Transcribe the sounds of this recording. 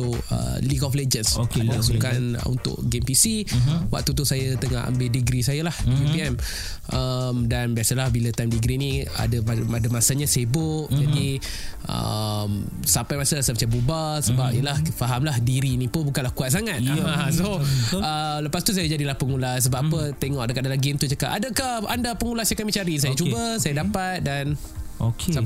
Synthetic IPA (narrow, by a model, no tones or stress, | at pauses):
oə̰likɔfled͡ʒənsokaasukanṵnt̪ʊ̰ʔɡempisiwa̰ʔ̚t̪ut̪usajat̪əŋa̰ha̰mbedəɡɾisajalahɡempiɛm | ʔəmdanbiasəlahbilat̪ajmdiɡɾinia̰dəmadəmasaɲasebʊʔd͡ʒadi | ʔə̰m | sampajmasalasamət͡ʃambubasəbap̚ijəlahfaɦamlahdiɾinĩpʊnbukanlahkuat̪̚saŋat̪̚soələpast̪us̬ajad͡ʒadilahpəŋulas̬əbapət̪eŋɔʔdəkaʔadalaɡiunt̪ut͡ʃakaʔadakahandapəŋulahsajakamit͡ʃaɾis̬ajat͡ʃubəsajadapat̪̚dan | okʰes